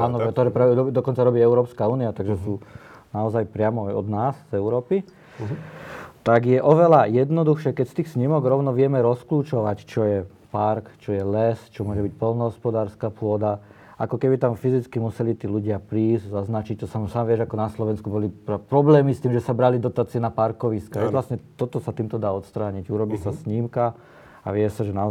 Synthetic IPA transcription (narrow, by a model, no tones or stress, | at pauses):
aːnɔt̪ɔɾɛpɾaɛɔd̪ɔkɔnt͡saɾɔbiːɛʊɾɔːpskauːniat̪aɡʒɛsuːnaɔzajpɾɪamɔajɔ̰d̪naːzzɛʊɾɔːpi | t̪aɡjɛʔɔʋɛlajɛd̪nɔd̪uxʃɪɛkɛcst̪iːxsɲimɔɡɾɔʊnɔʋɪɛmɛɾɔskluːt͡ʃɔʋact͡ʃɔjɛ | paɾkt͡ʃɔjɛlɛst͡ʃɔmʊɔʒɛbic̚pɔlnɔɦɔspɔd̪aːɾskapʊɔd̪a | ʔa̰kɔkɛbit̪amfizit͡skimusɛlit̪iːluɟɪapɾiːzɟzaznat͡ʃic̚t̪ɔsamsaːmʋɪɛʒakɔnaslɔʋɛnskubɔlippɾɔblɛːmist̪iːmʒɛsabɾalid̪ɔt̪aːt͡siɛnapaɾkɔʋiskaʒɛlasɲɛt̪ɔt̪ɔsat̪iːmt̪ɔd̪aːɔt̪st̪ɾaːɲiɟuɾɔbiːsasɲimka | a̰ʋɪɛsaʒɛnaɔ